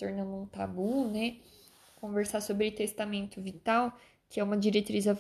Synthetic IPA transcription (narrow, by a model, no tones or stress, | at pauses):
t̪oɾnɐ̃nd̪ʊũt̪abunɛ | kõveɾsasobɾɪt̪est̪amẽnt̪ʊvit̪aw | kɪɛũmɐd͡ʒiɾet̪ɾizɐ